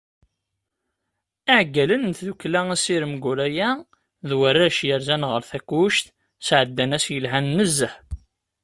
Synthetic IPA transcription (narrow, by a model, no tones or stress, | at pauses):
aʕɡːælənθðukːlææsiɾəmɡʊɾæjæ | ðwərːæʃjəɾzænʁəɾθækːuʃt̪ | sʕəd̪ːænæsjəlɦænːəzːəħ